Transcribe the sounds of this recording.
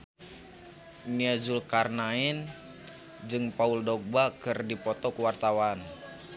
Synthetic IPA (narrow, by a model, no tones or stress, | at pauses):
niad͡ʒulkarnaɛn | d͡ʒɨŋpauldɔk̚bakɨrdipɔt̪ɔkuwart̪awan